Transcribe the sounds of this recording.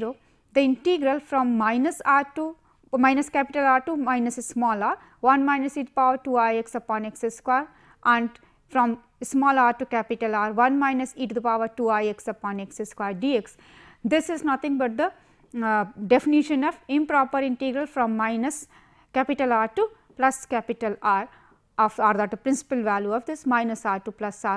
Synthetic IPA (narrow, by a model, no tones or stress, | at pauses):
ɾoː | d̪ɐɪ̃ɳʈiɡɾɐlfɾɔ̃mːaɪnɐsaːɾʈu | maɪnɐskæpiʈɐlaːɾʈumaɪnɐsɪsmɔːlaːɾ | ʋɐ̃nmaɪnɐsiːʈ̪̚paːʋəɾʈuːajeksɐpɔ̃ːnekseskwaːɾ | ʔæ̃ɳɖ | fɾɔ̃m | smɔːlaːɾʈukæpɪʈɐlaːɾʋɐ̃nmaɪnɐsiːʈd̪upaːʋəɾʈuːajeksɐpɔ̃ːnekseskwaːɾɖiːeks | d̪ɪsɪznʌt̪ʰɪ̃ŋbɐʈ̚d̪ə | ɖefɪniʃə̃nɔːʋɪ̃mpɾɔːpəɾɪ̃ɳʈiːɡɾəlfɾɔ̃mːaɪnɐs | kæpɪʈəlaːɾʈu | plɐskæpɪʈəlaːɾ | ɔfaːɾd̪aʈ̚d̪əpɾɪ̃nsɪ̥pəlʋæljuɔːʋd̪ɪsmaɪnɐsaːɾʈuplɐsaːɾ